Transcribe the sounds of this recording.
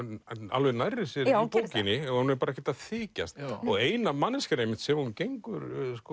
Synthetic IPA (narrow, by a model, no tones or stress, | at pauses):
a̰lvɛnajrːɪsjɛɾpoːwcɪnɪɛɣahunɛɾpaɾaɛhcɛt̪aðθiːca̰st̪ɔɣeːjnamanːɪscanejmɪn̥t̪sɛmhuncejŋkʏɾsk